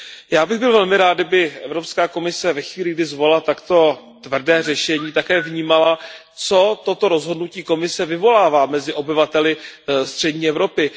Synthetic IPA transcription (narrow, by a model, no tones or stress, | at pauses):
jaːbɪɣbɪlvɛlmɪɾaːt̪̚dɪbɪʔɛvɾopskaːko̞mɪsɛvɛxviːlɪɡdɪzvo̞lat̪akt̪o̞t̪vr̩dɛːrɛʃɛɲiːt̪akɛːvɲiːmala | t͡so̞t̪ot̪o̞ɾo̞zɦo̞dnuciːko̞mɪsɛvɪvo̞laːvaːmɛzɪʔo̞bɪvat̪ɛlɪst̪r̝̥ɛdɲiːɛvɾo̞pɪ